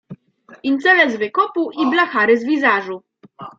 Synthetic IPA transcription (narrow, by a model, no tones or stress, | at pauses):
int̪sɛlɛzvɘkɔpuʔiblaxaɾɘzvʲizaʐu